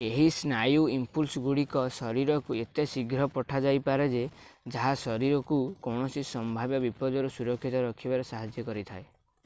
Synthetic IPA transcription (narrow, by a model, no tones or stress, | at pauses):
eɦisnajuimpulsɡuɽikɔsɔɾiɾɔkuet̪esiɡɾɔpɔʈʰad͡ʒajpaɾed͡ʒed͡ʒaɦasɔɾiɾɔkukɔwɳ̃ɔsisɔmbʱabjɔbipɔd͡ʒɔɾusuɾɔkʰːit̪ɔɾɔkʰibaɾesaɦad͡ʒjɔkɔɾit̪ʰae